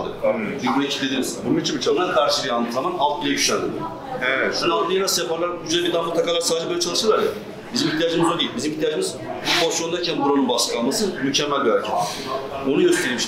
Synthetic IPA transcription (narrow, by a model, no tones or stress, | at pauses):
d̪ɯ̰b̪ibɾecʰi̥d̪ed̪iizbununit͡ʃʰinbit͡ʃʰanankʰaɾʃɯlʲijalˠd̪ɯːzamanalˠt̪̚bilʲɛbyʃænd̪ɯ | evɛt̪nad̪ijenasjapaɾlˠaɾkʰud͡ʒad̪abid̪amut̪ːˠakalˠaɾsaːd̪d͡ʒɛbøjlʲɛt͡ʃʰalˠɯʃɯɾlˠaɾja | bizimiçt̪ʰijaːd͡ʒɯmizod̪ijilʲbizimiçt̪ʰijaːd͡ʒɯmiz | bubʰosjond̪ajcʰænbuɾonunbaʃkˠalˠmasɯmycʰɛmːælʲɡæɾt͡ʃʰi | onujø̞st̪ʰeɾimiʃ